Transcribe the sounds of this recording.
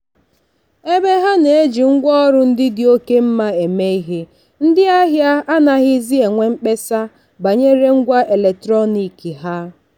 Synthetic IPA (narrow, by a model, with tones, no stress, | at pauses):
e˦be˦ɦa˦ne˨e˦d͡ʒi˨ŋ̩˦ɡʷɔ˦ɾʊ˦n̩˦dɪ˦dɪ˦o˦ke˦m̩˦ma˦e˨me˦i˦ɦe˦ | n̩˦dɪ˦a˦ɦja˦a˦na˨ɣɪ˦zi˦e˨ŋʷe˦ŋ͡m̩˦k͡pe˦sa˦ | ba˨ɲe˦ɾe˦ŋ̩˦ɡʷa˦ʔe˨le˨k̚tɾɔ˦ni˨ki˨ɦa˦